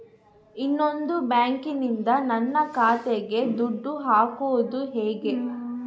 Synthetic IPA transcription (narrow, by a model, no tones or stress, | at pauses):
inːond̪ubaːŋkinind̪ɐnɐnːɐkaːt̪eɡe̞d̪uɖːuɦaːkoːd̪uɦeːɡe̞